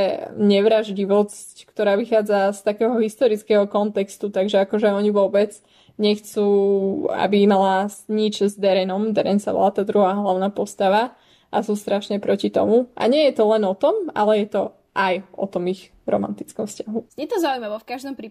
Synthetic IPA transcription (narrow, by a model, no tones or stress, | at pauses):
ɛɲɛʋɾaʒɟiʋɔsckt̪ɔɾaːʋixaːd͡zast̪akɛːɦɔɦist̪ɔɾit͡skɛːɦɔkɔnt̪ɛkst̪ut̪aɡʒɛakɔʒɛɔɲiʋɔbɛd͡z | ɲɛxt͡suːa̰bimalaɲit͡ʃzd̪ɛɾɛnɔmd̪ɛɾɛnsa̰ʋɔ̰lat̪aːd̪ɾuɦaːɦlaʊnaːpɔst̪aʋa | ʔasuːst̪ɾaʃɲɛpɾɔcit̪ɔ̰mua̰ɲɪɛjɛt̪ɔlɛnɔt̪ɔma̰lɛjɛt̪ɔ | ʔajɔ̰t̪ɔmiɣ | ɾɔ̰ma̰nt̪it͡skɔmfscaɦuɛt̪ɔzaujmaʋɔfkaʒd̪ɔmpɾi